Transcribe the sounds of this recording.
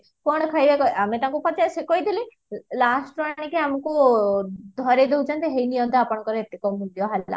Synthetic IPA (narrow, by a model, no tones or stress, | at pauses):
pɔɽ̃ɔkʰajbekɔamet̪ãŋkupɔt͡ʃasekojd̪ʱile | lasʈɾwaɽ̃keamɔku | d̪ʱɔɾed̪eɦut͡ʃʰant̪eɦejnijɔnt̪ʰɔapɔɽ̃ɔkɔɾeet̪ːikɔmud̪jɔɦɛlla̰